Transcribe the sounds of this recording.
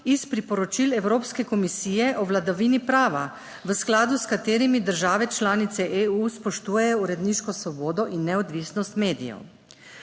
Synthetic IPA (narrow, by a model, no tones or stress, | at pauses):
ispɾipɔɾɔt͡ʃilɛwɾoːpskɛkɔmisiːjɛʔɔʋlad̪aʋiːnipɾaːʋa | ʋəsklaːd̪uskat̪eːɾimid̪əɾʒaːʋɛt͡ʃlaːnit̪sɛʔeuspɔʃt̪uːjɛjɔuɾɛd̪niːʃkɔsʋɔboːd̪ɔʔinːɛɔd̪ʋisnɔst̪meːd̪ḭjɛ̰w